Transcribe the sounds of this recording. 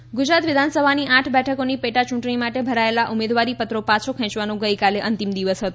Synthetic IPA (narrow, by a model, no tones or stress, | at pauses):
ɡʊd͡ʒɾat̪ʋɪd̪ʱansəbʱaniʔaʈʰbɛʈʰəkonipeʈat͡ʃũʈɳ̃imaʈebʱəɾaelaʔumed̪ʋaɾipət̪ɾopat͡ʃʰokʰɛ̃t͡ʃʋanũɡəjkaleʔənt̪imd̪iʋəsɦət̪o